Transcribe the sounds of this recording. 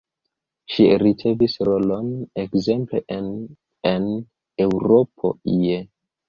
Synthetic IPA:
ʃiɾit͡se̞visɾo̞lo̞nekze̞mple̞ | en | e̞wɾo̞pʰo̞̰ije

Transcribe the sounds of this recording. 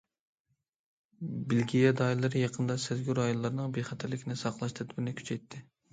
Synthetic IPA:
bɪlɡʲijɛd̪ɑilˠɨɾɨjɑqʰənd̪ɑsɪzɡʲyɾɑjonlˠɑɾnɨŋbeχɛt̪ʰæɾlɪkʲʰnɪsɑqlˠɑʃt̪ʰɛt̪ʰɪbɪnɪkʲʰy̥t͡ʃʰɛjt̪ʰːɪ

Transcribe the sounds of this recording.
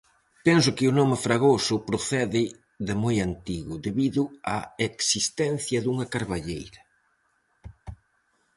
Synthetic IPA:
pɛnsʊkɪʊnɔmɪfɾaɣosʊpɾoθɛðɪ | ðɪmojant̪iɣʊðeβiðʊa̰eksist̪ɛn̟θjɐðuŋɐkaɾβaʎejɾɐ

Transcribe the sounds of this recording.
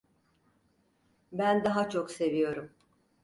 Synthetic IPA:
bænd̪aɦat͡ʃʰo̞kse̞vijo̞ɾum

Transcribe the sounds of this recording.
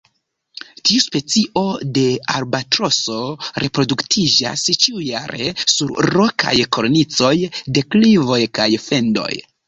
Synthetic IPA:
tiuspe̞t͡siʔo̞de̞aɾbatɾo̞so̞ɾe̞pɾo̞duktʰid͡ʒa̰st͡ʃiujaɾe̞suɾɾːo̞kʰa̰jkoɾnit͡so̞jde̞klivo̞jkajfe̞ndo̞̰j

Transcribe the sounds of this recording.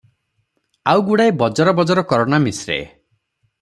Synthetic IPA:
awɡuɽajbɔd͡ʒɔɾɔbɔd͡ʒɔɾɔkɔɾɔnamisɾḛ

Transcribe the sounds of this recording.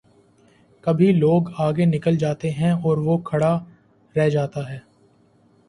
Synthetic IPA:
kɐbʱiloːɡaːɡenɪkəld͡ʒaːt̪eɦɛ̃ɔːɾʋokʰɐɽa | ɾɛɦd͡ʒaːt̪aɦɛː

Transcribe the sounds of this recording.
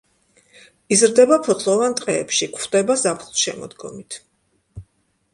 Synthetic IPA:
izɾd̪ɛbapʰɔt̪sʼlˠɔvant̪ʼqʼɛːpʃikʰχd̪̥ɛbazapʰχlˠʃɛmɔ̰d̪ɡɔ̰mit̪ʰ

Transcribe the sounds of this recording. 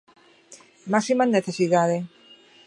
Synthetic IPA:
maksimanːeθesiðaðe

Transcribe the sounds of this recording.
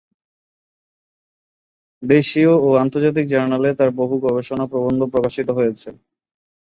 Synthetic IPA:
d̪eʃiooant̪oɾd͡ʑat̪̬ik̚d͡ʑaɾnalet̪aɾboɦuɡɔbeʃonapɾobond̪opɾokaʃit̪oɦojet͡ɕʰe

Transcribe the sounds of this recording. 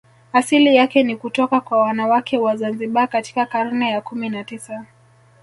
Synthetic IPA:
asilijakɛnikutɔkakwawanawakʰɛwazanziɓakati̥kakaɾunɛjakuminatisa

